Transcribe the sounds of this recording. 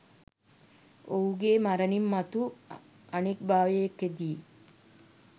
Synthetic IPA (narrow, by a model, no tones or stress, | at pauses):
oɦuɡemaɾɐnimːɐt̪u | ɐnek̚bʱaːʋejekːed̪iː